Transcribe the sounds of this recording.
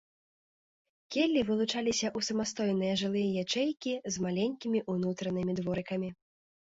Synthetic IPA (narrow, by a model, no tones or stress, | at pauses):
kʲɛlʲːivɨlˠut͡ʂalʲisʲɐʔusɐmast̪ɔjnɨjɐʐɨlˠɨjɐjat͡ʂɛjkʲizmalʲɛnʲkʲimʲiʔunut̪ɾɐnɨmʲid̪vɔɾɨkɐmʲi